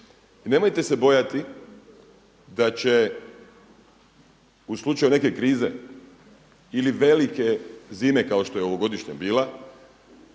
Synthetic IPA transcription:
ine̞mo̞jt̪e̞se̞bo̞jat̪i | d̪at͡ɕe̞ | uslˠut͡ʃajune̞ke̞kɾiːzḛ | iliʋe̞like̞ziːme̞kaoʃt̪o̞jeo̞ʋoɡo̞d̪iʃɲabiːla

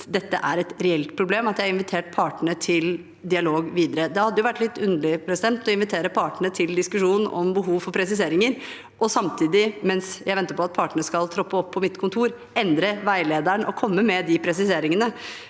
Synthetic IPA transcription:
d̪ɛt̪ːəʔæɾɛt̪ɾɛɛlt̪pʰɾʊbleːmɑt̪jæɪɪnʋɪt̪ʰeːʈ̚pʰɑːʈɳət̪ʰɪl | d̪ɪɑloːɡʋiːd̪əɾəd̪ɛhɑd̪ːəjʊʋæʈːlɪt̪ːʉnlɪpʰɾɛsɪd̪ɛnt̪ɔɪnʋɪt̪ʰeːɾəpʰɑːʈɳət̪ʰɪld̪ɪskʉʂuːn̩ɔ̰mbəɦuːʋfɔɾpʰɾɛsɪs̬eːɾɪŋəɾ | ʔɔsɑmt̪ʰiːd̪ɪmɛnsjæɪʋɛnt̪əɾpʰɔɑt̪̚pʰɑːʈəɳəskɑlt̪ʰɾɔpːəɔpʰːɔmɪt̪kʰʊnt̪ʰuːɾ | ɛnd̪ɾəʋæɪleːd̪əɳʔɔkʰɔmːəmɛd̪ɪpʰɾɛsɪseːɾɪŋənə

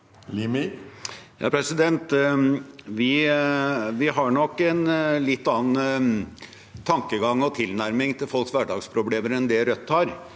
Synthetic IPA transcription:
limi | jɑ̰ːpʰɾɛsɪd̪ɛnt̪ | ʋɪ | ʋɪɦɑɳɔkːɛnlɪt̪ːɑːn | t̪ʰɑŋkəɡɑŋːɔt̪ʰɪlnæɾmɪŋt̪ʰɪlfɔlksʋæɖɑːɡspʰɾʊbleːməɾɛnd̪ɛɾœt̪ːhɑɾ

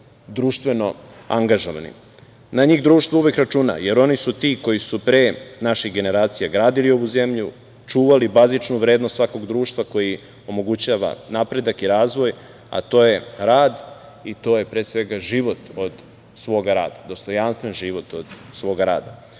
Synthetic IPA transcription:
d̪ɾuːʃt̪ʋe̞no̞aŋɡaʒoʋa̰nḭ | naɲiɣd̪ɾuːʃt̪vouʋekɾat͡ʃuna̰je̞ɾo̞nisut̪iːko̞jisupɾeːnaʃiɣɡe̞ne̞ɾaːt̪sijaɡɾaːd̪ilio̞ʋuze̞mʎu | t͡ʃuːʋalibazit͡ʃnuʋɾeːd̪nost̪sʋako̞ɡd̪ɾuːʃt̪ʋako̞ji | o̞mo̞ɡut͡ɕaːʋa̰napɾe̞d̪akiɾaːzʋo̞j | a̰t̪o̞ːje̞ɾaːd̪ | it̪o̞ːje̞pɾeːsʋe̞ɡaʒiʋo̞t̪o̞d̪ | sʋo̞ːɡaɾa̰ːd̪ad̪o̞st̪o̞janst̪ʋenʒiʋo̞t̪od̪̥ | sʋo̞ːɡaɾa̰ːd̪a

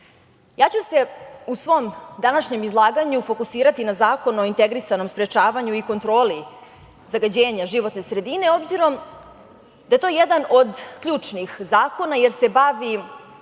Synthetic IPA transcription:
jaːt͡ɕuse̞usʋo̞md̪anaʃɲe̞mizlˠaːɡaɲufo̞kusiːɾat̪inazaːko̞no̞int̪e̞ɡɾisano̞mspɾe̞t͡ʃaːʋaɲuiko̞nt̪ɾo̞ːli | zaɡad͡ʑeːɲaʒiʋo̞t̪ne̞sɾe̞d̪ine̞o̞bziɾo̞m | d̪ajet̪o̞ːjed̪ano̞d̪kʎuːt͡ʂnixzaːko̞naje̞ɾse̞baʋi

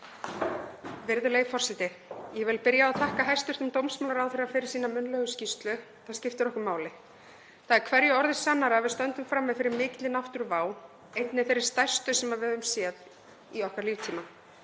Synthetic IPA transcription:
vɪɾðʏleːjfɔr̥sɛt̪ɪjɛvɪlpɪɾjaaðθahkaɦajst̪ʏɾ̥t̪ɪmt̪owmsmawlaɾawθeɾafɪɾɪɾ̥siːnamʏnlœɣʏscist̪lʏ | θaðscɪft̪ʏɾɔhkʏmaːwlɪ | θaðɛɾkʰvɛɾjʏɔɾðɪsanːaɾavɪðst̪œnt̪ʏmfɾamːɛðfɪɾɪɾmɪːt̪lɪnaft̪ʏɾvaːw | ejt̪nɪθeɾɪ̥st̪ajr̥st̪ʏsɛmaðvɛðʏmsjɛt̪n | iɔhkaɾliːvt̪ʰiːma

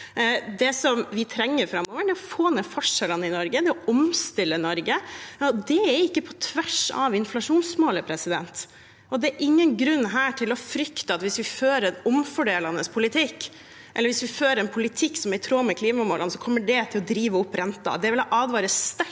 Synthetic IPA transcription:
d̪ɛsɔmʋɪt̪ʰɾɛŋːəɾfɾɑmːɔːʋəɖɛɔfoːnɛfɔʂɛlɑnəɪnɔɾɡəd̪ɛɔʔɔmst̪ɪlːənɔɾɡəɔd̪ɛæɾɪkːəpʰɔt̪ʰʋæʂɑ̰ʋɪnflɑʂuːnsmoːləpʰɾɛsɪd̪ɛ̰nt̪ | ɔd̪ɛːɾʔɪŋːənɡɾʉnːɦæːʈʰɪlɔfɾʏkt̪əɑt̪ʋɪsʋɪføːɾəɛnɔmfɔɖeːlɑnəspʰʊlɪt̪ʰɪkː | ʔɛləɾʋɪsʋɪføːɾəɾɛnpʰʊlɪt̪ʰɪkːsɔmæɾt̪ʰɾoːməkʰliːmɑmoːlɑnəsɔkʰɔmːəɖɛt̪ʰɪlɔd̪ɾiːʋəʊpːɾɛnt̪ɑ̰d̪ɛʋɪlɔʔɑːd̪ʋɑːɾəst̪æ

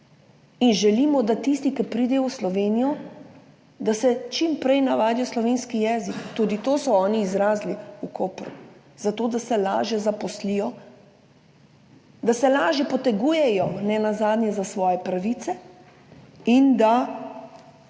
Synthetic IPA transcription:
inʒɛliːmɔd̪at̪ist̪ikɛpɾiːd̪ɛjɔwslɔʋeːnijɔ | d̪asɛt͡ʃimpɾɛjnaʋaːd̪jɔslɔʋeːnskijɛːzikt̪ud̪it̪oːsɔɔːniːzɾaːzliukoːpɾṵ | z̥at̪oːd̪asɛla̰ːʒjɛzapɔslijɔ | d̪asɛlaːʒjɛpɔt̪ɛɡuːjɛjɔnɛnazaːd̪njɛzasʋɔːjɛpɾaʋit̪sɛ | ind̪a

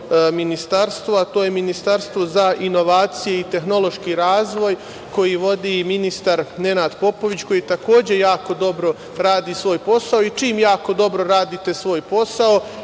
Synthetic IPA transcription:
minist̪aɾst̪ʋoat̪o̞ːjeminist̪aɾst̪ʋozaʔino̞ʋaːt̪sije̞it̪e̞xno̞lˠo̞ʃkiɾaːzʋo̞j | ko̞jiʋo̞d̪iminist̪aɾne̞naːd̪po̞po̞ʋit͡ɕko̞jiːt̪ako̞ːd͡ʑe̞jaːko̞d̪o̞bɾo̞ | ɾaːd̪iːsʋo̞ːjpo̞saoit͡ʃiːmjaːko̞d̪o̞bɾo̞ɾaːd̪iːt̪e̞sʋo̞ːjpo̞sao

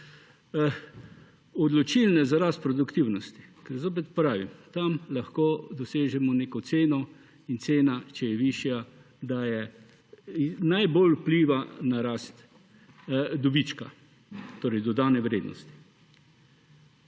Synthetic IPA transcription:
ɔd̪lɔt͡ʃilnɛzaɾaːst̪̚pɾɔd̪ukt̪iwnɔst̪i̥kɛɾzoːp̬ɛt̪pɾaːʋimt̪amlaxkoːd̪ɔseːʒɛmɔneːkɔt̪seːnɔ | int̪seːnat͡ʃɛjɛʋiʃja | d̪ajɛ | najbolwpliːʋanaɾaːst̪ | d̪ɔbit͡ʃka̰ | t̪oːɾɛjd̪ɔd̪aːnɛʋɾeːd̪nʔɔ̰st̪i̥

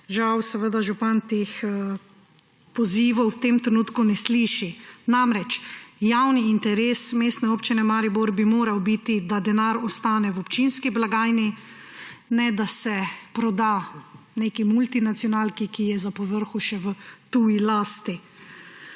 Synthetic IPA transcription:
ʒawsɛʋəd̪aʒupant̪exə | pɔziːʋɔwwt̪emt̪ɾɛnuːt̪kunɛsliʃinamɾɛt͡ʃjawniːnt̪ɛɾeːsmeːst̪nɛoːpt͡ʃinɛmaɾiboɾbimoːɾawbit̪id̪ad̪ɛnaɾɔst̪aːnɛwɔpt͡ʃinskiblaɡaːjni | nɛd̪asɛpɾɔd̪aneːkimult̪inat̪sjɔnaːlkikijɛzapɔʋəɾxuʃɛʋət̪uːjilaːst̪i

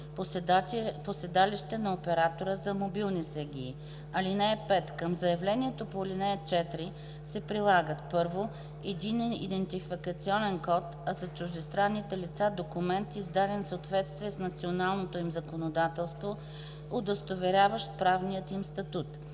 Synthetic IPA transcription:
posɛd̪aliʃt̪ɛnɐopɛɾat̪oɾəzɐmobilˠnisɛɡʲiː | ɐlinɛːpɛt̪kəmzɐjɐvlɛniɛt̪opolinɛːt͡ʃɛt̪ɾi | sɛpɾilˠaɡət̪pɤɾvo | ɛd̪inɛnḭd̪ɛnt̪ifikət̪siɔnɛnkɔt̪ɐzɐt͡ʃʊʒd̪ɛst̪ɾanːit̪ɛlit̪sad̪okumɛnt̪izd̪ad̪ɛnfsəot̪vɛt̪st̪viɛsnɐt̪sionalˠnot̪oimzɐkonod̪at̪ɛlˠst̪vo | od̪əst̪ovɛɾʲavəʃt̪̚pɾavnijət̪imst̪ɐt̪ut̪

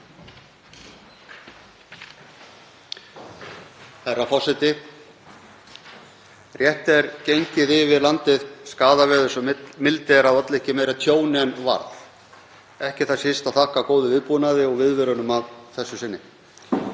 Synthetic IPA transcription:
ɛɾawfɔ̥sɪt̪ɪ | rjɛht̪ɛɾcejɲcɪðɪvɪðlant̪ɪðskaːðavɛːðʏsɔmɪlt̪ɪɛɾaðat̪lɛhcɪmejɾat̪ʰjoːwnɪɛnva̰ɾθ | ɛhcɪ̥θaðsjɪst̪aðθahkakoːwðʏvɪðpunaðɪɔɣvɪðvɪɾʏnʏmavθɛsːʏsɪnːɪ

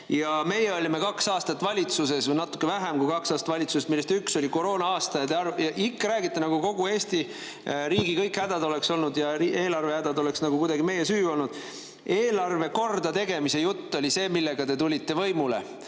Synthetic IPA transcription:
jɑme̞jːeo̞lʲime̞kɑksɑːst̪ɑt̪ːˑvɑlʲit̪suse̞svɤjnɑt̪ːˑu̥kːevæɦemkujkɑksɑːst̪vɑlʲit̪suset̪milːest̪ykso̞lʲiko̞ɾo̞ːnɑɑːst̪ɑjɑd̪eɑrjɑʔikːɾæːɡit̪ːˑenɑɡ̥uko̞ɡ̥ue̞ːst̪i | ɾiːɡikɤ̞jkːhæd̪̥ɑd̪o̞lekso̞lnud̪jɑie̞ːlɑrvehæd̪̥ɑd̪o̞le̞ksnɑɡ̥ukujd̪ɑɡime̞jesyːo̞lnud̪̥ | e̞ːlɑrve̞ko̞rd̪ɑt̪e̞ɡ̥e̞mise̞jut̪ːo̞lʲise̞ːmilːe̞ɡ̥ɑt̪e̞t̪̬ulʲit̪ːˑe̞vɤ̞jmule̞̰

